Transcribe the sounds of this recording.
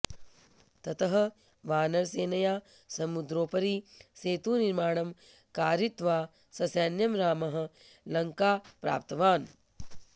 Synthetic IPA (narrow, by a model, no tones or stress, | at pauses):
t̪ɐt̪ɐɦɐ̆ | ʋaːnɐɾseːnɐjaː | sɐmud̪ɾoːpɐɾiseːt̪uːniɾmaːɳ̃ɐm | kaːɾit̪ʋaː | sɐsjaːnjɐmɾaːmɐɦɐ̆ | lɐŋkaːpɾa̰ːp̚t̪ɐʋaːn